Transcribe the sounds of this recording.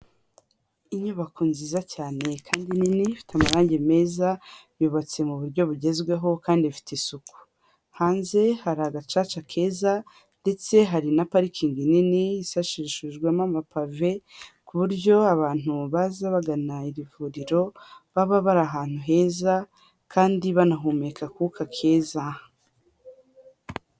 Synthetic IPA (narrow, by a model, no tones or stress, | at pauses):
iɲuβakuːnziːzacaːne̞kʰaːndininifi̥tamaɾaːɲɟe̞me̞ːzaβjuːβat͡se̞muβuɾɟo̞βuɟe̞zɡwe̞ɦo̞kaːndifi̥tesuku̥ | haːnze̞haɾaɡat͡ʃaːt͡ʃakʰe̞ːza | nde̞t͡se̞ɦaɾinapaɾikʰiŋɡininiːsaʃiɾiʃuʒɡwemamapave̞kuβuɾɟo̞aβaːn̥uβazaβaɡanaiɾivuːɾiɾo̞βaβaβaɾaɦaːn̥uɦe̞ːza | kʰaːndiβanaɦuːmekʰakukʰakʰe̞ːza